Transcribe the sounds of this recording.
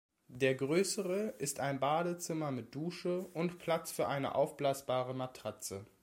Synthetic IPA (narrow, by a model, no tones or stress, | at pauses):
d̥eːɐɡʁøːsəʁəʔɪstaɪnbaːdət͡sɪmɐmɪt̚d̥uːʃəʊntpʰl̥at͡sfyːɐʔaɪnə̰ʔa̰ʊfb̥laːsb̥aːʁəmatʁ̥at͡sə